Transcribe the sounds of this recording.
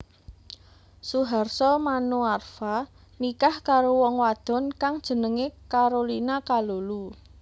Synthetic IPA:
suɦarsɔmanuarfa | nikahkaɾowɔŋwad̪̥ɔ̤nkaŋd̥ʒ̥ə̤nəŋekaɾolinakalolu

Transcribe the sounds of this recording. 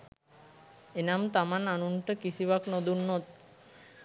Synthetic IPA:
enamt̪amananunʈəkisibaknod̪unːot̪̚

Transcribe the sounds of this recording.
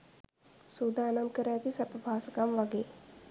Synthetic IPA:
sud̪aːnamkəɾaːt̪isapəbʱaːsəkamʋaɡeː

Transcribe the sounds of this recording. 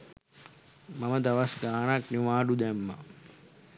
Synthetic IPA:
maməd̪aʋasɡaːnakniʋaːɖud̪æmːa̰

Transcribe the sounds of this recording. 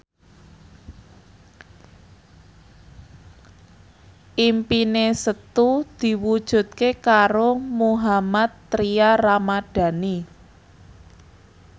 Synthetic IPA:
ʔimpinesət̪ud̪̥i̤wud̥ʒ̥ṳt̪̚kekaɾomuɦamat̪ːɾiaramad̥a̤ni

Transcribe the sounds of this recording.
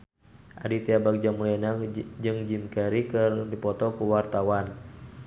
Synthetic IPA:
ʔa̰dit̪iabak̚d͡ʒamulɛnad͡ʒɨŋd͡ʒimkɛɾikɨrdipɔt̪ɔkuwart̪awan

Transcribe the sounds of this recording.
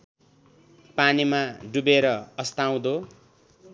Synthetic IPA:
panimaɖubeɾʌʌst̪aw̃d̪o

